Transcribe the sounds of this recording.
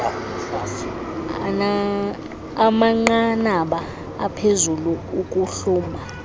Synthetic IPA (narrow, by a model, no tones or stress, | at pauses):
a̰naː | maŋ͡ǃanaɓaː | pʰezuluukʼuɬuːmbʱa